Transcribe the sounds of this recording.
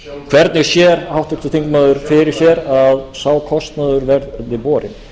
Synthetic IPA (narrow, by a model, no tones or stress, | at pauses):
kʰvɛɾt̪nɪɣsjɛɾawht̪ʏkt̪ʏt̪ʰiŋkmaðʏɾ̥fɪɾɪɾ̥çɛɾaðsaːwkʰɔst̪naðʏɾvɛɾðt̪nɪpɔːɾɪ̰n